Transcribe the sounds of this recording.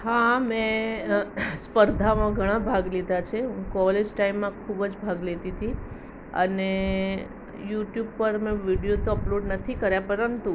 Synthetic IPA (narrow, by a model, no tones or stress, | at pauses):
hamẽ | spəɾd̪ʱamãɡʱəɽ̃ãbʱaɡled̪ʱat͡ʃʰeɦũkɔled͡ʒʈaimːãkʰubd͡ʒbʱaɡlet̪it̪ʰi | ə̰ne | juʈjub̚pəɾmẽʋiɖijot̪oəploɖnət̪ʰikəɾjapəɾənt̪u